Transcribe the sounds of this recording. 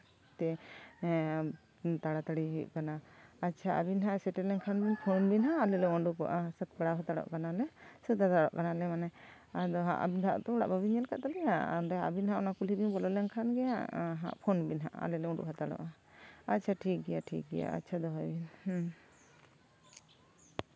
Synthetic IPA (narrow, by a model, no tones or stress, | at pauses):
t̪ɛ | t̪aɽat̪aɽiɦuʔ̚kanaːtːt͡ʃʰaa̰binɦaʔsɛʈɛlɛnkʰanbinpʰɔnbinɦaʔalɛlɛɔɳɖukɔ̰ʔasət̪̚paɽaɦɔt̪aɽɔ̰ʔkanalɛsət̪at̪aɽɔ̰ʔkanalɛmanɛ | ad̪ɔɦã̰ʔa̰bid̪ʱaʔt̪ɔɔɽa̰ʔbəbiɲɛlkaʔt̪alɛja̰ɾɛa̰binɦãʔɔnakulibinbɔlɔlɛnkʰanɡɛjaɦã̰ʔpʰɔnbinɦa̰ʔa̰lɛlɛɔ̃ɳɖṵʔɦat̪aɽɔ̰ʔa | at̚t͡ʃʰaʈʰik̚ɡɛjaʈʰḭk̚ɡɛ̰ja̰a̰tːt͡ʃʰad̪ɔɦabinh